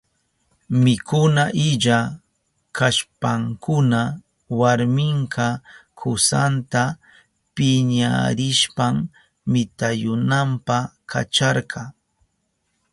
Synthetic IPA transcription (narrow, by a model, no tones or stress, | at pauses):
mɪkʊnaʔɪʎa | kaʃpaŋkʊna | waɾmɪɴkɑkʰʊsant̪a | pɪɲa̰ɾɪʃpamː | ɪt̪ajʊnampaka̰t͡ʃɑɾɢɑ